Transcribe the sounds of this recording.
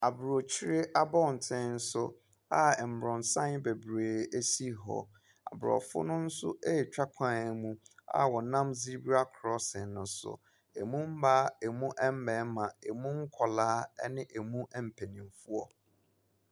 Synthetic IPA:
a˨bɾo˨t͡ɕʰi˦ɾɪ˦ʔa˦bɔ̃˦˨n̩˨tʰɛ̃˦n̩˦sʊ˦ | a˨ɛ˨m̩˨bɾɔ̃˨n˨sã˦n˦be˨bɾeː˨e˦si˦ɦɔ̰˨ | a̰˨bɾɔ̰˨fʊ̰˦nʊ̃˦n̩˦sʊ̰˦e˦˨t͡ɕᶣa˦kʷʰã˨ɛ˨mũ˦a̰˨wɔ˨nã˦mzi˦ɾbi˦a˦kʰɾɔ˦sɛ̃˨nnʊ̃˨sʊ̰˨ | e˨mũ˦m̩˦ba˦e˨mũ˦ʔɛ˦m̩˦bɛ̃˨˦mã˨e˨mũ˦ŋ̩˦kʰɔ˨laː˦ɛ˦nɪ̃˦ʔe˨mũ˦ʔɛ˨m̩˨pʰæ˨nĩ˨m˨fu˦ɔ˨

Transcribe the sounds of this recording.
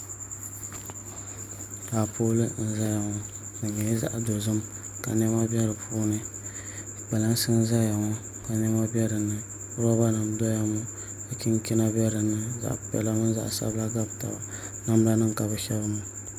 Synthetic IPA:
ɾa˨poː˦lɨ˦n̩˦za˦ja˨ŋɔ˦ | nɨ˨ɲɛ˨˦za̰˦ʔdo˨zɨ˦m | ka̰˨nɛ˦ma˦bɛ˦ɾɨ˨pʰuː˦nɨ˦ | ba˨la˦n˦sɨ˦n˦za˦ja˨ŋɔ˦ | ka˨nɛ˦ma˦bɛ˦ɾɨ˨nːɨ˨˦ | ɾa˦ba˦nɨ˨mdɔ˦ja˦mɔ˦ | ɨ˨ki˦ŋ˦ki˦na˦bɛ˦ɾɨ˨nːɨ˦za̰˨ʔpɛ̰˨la˦mʊ˦za̰˨ʔsa̰˦bla˦ɡa˦bta̰˨ba̰˨ | na˦m˦la˦nɨ˦ŋ˨ka˨bɨ˨ʃɛ˦bɨ˦mu˦

